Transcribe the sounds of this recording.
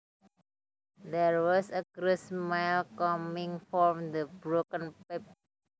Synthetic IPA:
d̪ɛɹwɔsəɡɾɪsmalkʌmĩŋfɔmd̪əbɹokə̃npɛp̚

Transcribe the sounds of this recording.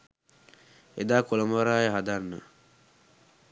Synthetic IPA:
ed̪aːkolɐməʋaɾaːjəɦad̪anːə̰

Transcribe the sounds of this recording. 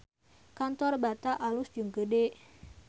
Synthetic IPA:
kant̪ɔrbat̪aʔalʊsd͡ʒəŋɡəde

